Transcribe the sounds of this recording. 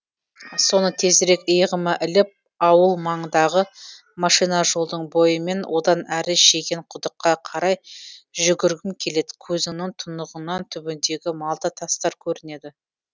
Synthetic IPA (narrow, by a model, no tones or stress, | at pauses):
so̞nət̪ʰe̞zɾe̞kəjʁəməʔɪlɪp̚ | ɑwəlˠmɑɴəd̪ɑʁə | mɑʃijnɑʒolˠd̪əɴbo̞jəme̞nwʔo̞d̪ɑnæɾɪʃe̞ɡʲe̞ɴqʰʊd̪əqːɑqʰɑɾɑjʒʏɡʲɪɾɡʲɪmkʲʰe̞le̞d̪ɪkʲʰɵzɪnɪŋt̪ʰʊnəʁənɑnt̪ʰʏbɪnd̪e̞ɡʲɪmɑlˠd̪ət̪ʰɑst̪ɑɾkʲʰɵɾɪne̞d̪ɪ